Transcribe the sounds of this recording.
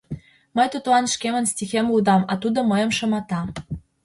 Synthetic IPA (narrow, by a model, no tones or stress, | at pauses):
məjt̪ut̪lɑnʃkemə̆nsʲtʲixemlud̪ɑmɑt̪ud̪ŏməjə̆mʃɤ̆mɑt̪ɑ